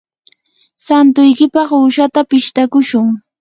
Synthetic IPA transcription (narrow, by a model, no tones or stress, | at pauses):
sant̪ʊjkɪpɑχʊʃat̪apɪʃt̪akʊʃʊŋ